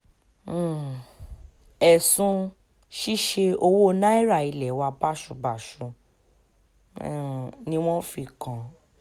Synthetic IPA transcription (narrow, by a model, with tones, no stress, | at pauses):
ɛ˨sũ˧ | ʃi˦ʃe˧o˧wo˦˧nã˦i˦ɾa˦˨i˧lɛ˨˦wa˧ba˦˨ʃu˨˧ba˨ʃũ˧˦˨ | nĩ˦w̃ɔ̃˦fi˧kã˨